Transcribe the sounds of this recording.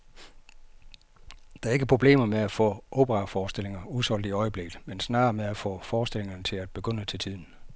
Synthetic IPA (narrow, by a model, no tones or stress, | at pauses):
d̥ɑ̈æɐe̝ɡ̥əpʰʁo̝b̥le̝̰ːmɐmeæfɔ̰̽ːʔo̝b̥əʁɑ̈fɒːsd̥e̝l̰e̝ŋɐuðˠsɒ̽l̰d̥iɒ̽ɪəb̥le̝ɡ̥ð̩ˠmensnɑ̰̈ːmeæfɔ̰̽ːfɒːsd̥e̝le̝ŋɐnət͡sʰe̝læd̥b̥e̝ɡ̥øn̰ət͡sʰe̝lt͡sʰiðˠn̩